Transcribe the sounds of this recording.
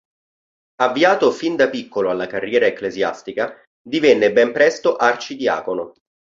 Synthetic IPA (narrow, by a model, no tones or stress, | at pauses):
avːiaːt̪ofind̪apikːoloalːakarːjɛːɾaekːlezja̰st̪ika | d̪ivɛnːebɛmpɾɛst̪oʔart͡ʃid̪ia̰ːkono